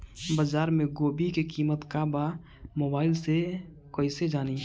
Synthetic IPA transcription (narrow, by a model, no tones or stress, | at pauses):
bazaːɾmẽɡoːbikekiːmət̪kaba | moːbaːɪlse | koːised͡ʒaːni